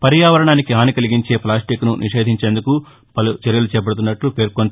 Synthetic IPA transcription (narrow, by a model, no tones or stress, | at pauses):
pɐɾjaːʋɐɾɐɳaːnikiaːnikɐliɡiɲt͡ʃe̞ːplaːsʈiknunʔiʂe̞ːd̪ʱiɲt͡ʃe̞ːnd̪uku | pɐlut͡ʃeɾjɐlut͡ʃɛːp̬ɐɽut̪̬unːɐʈlupe̞ːɾkon